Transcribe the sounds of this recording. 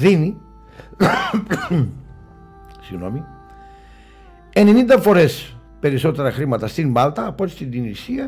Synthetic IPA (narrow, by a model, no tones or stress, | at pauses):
ðini | siɣno̞̰mi | e̞ne̞nind̪ɐfo̞ɾe̞s | pe̞ɾiso̞t̪e̞ɾɐxɾimɐt̪ɐst̪imbɐlt̪ɐːpot̪i̥st̪ind̪inisiɐ